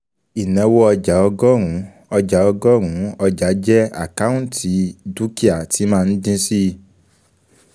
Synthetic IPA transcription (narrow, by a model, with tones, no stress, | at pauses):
i˨nɛ̃˨˦wɔ˦ɔ˧d͡ʒa˨˦ɔ˧ɡɔ˦ɾũ˨˦ | ɔ˧d͡ʒa˨˦ɔ˧ɡɔ˦ɾ̃ũ˨˦ɔ˧d͡ʒa˨˦d͡ʒɛ˦a̰˦˨ka˦ũ˦˨tʰi˨˦du˦ki˦a˨ti˨˦mãː˦˧ñ̩˦dĩ˦si˦˧